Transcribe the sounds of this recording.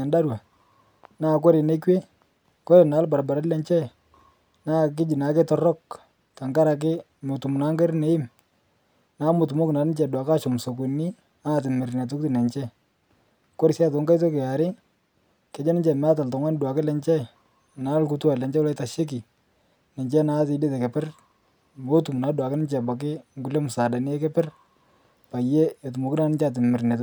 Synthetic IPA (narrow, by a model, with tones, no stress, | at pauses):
ɛ˨nda˦ɾwa˨ | naː˦˨k̬ɔ˦ɾɪ˨ne˦kwe˦ | kɔ˦ɾe˨naː˨˦lba˨ɾba˨ɾa˦tlɛ˨ɲt͡ʃɛ˦ | naː˦k̬ɪ˦d͡ʒi˨na˨˦kɪ˦tɔ˦rɔ˦k̚ | ta˨ŋɡa˦ɾa˨k̬ɪ˦ | mʊ˨tu˨m˨na˦ŋɡe˦ɾne˦ɪ˦m | naː˨˦mʊ˨tʊ˨mʊ˦kna˨nɪ˦t͡ʃɛ˨dwa˨ka˦ʃʊ˨mso˨k̬ʊ˨ni˦ | a˦˨t̬ɪ˨me˨ɾi˨na˨t̬ʊ˦k̚ti˦nɛ˨ɲt͡ʃɛ˦ | ko˦ɾi˨sja˦t̬o˨˦ŋɡa˦jt̬o˦ke˨a˨ɾɪ˦ | kɛ˨˦d͡ʒɛ˦nɪ˦t͡ʃɛ˨mɛ˦a˦ta˨ltɔ˨ŋwa˦n˦dwa˨kɪ˦lɛ˨˦ɲt͡ʃɛ˦j | na˨˦lku˨˦tu˦a˨lɛ˨ɲt͡ʃɛ˦lɔ˦ɪ˦ta˨ʃe˦k̬i˨ | nɪ˨ɲt͡ʃɛ˦na˦tɪ˨de˦tɛ˨ke˨pɪ˦r | mo˦tu˨mu˨na˨˦dwa˨kɪ˦nɪ˦t͡ʃɛ˨ba˨k̬ɪ˦ŋɡu˨le˦mu˨sa˨da˨nɪ˦ɛ˦kɛ˦pɪ˦r | pa˨je˦o˨t̬u˨mo˨ki˦na˨nɪ˦ɲt͡ʃa˨t̬ɪ˨mɪ˨ɾne˨t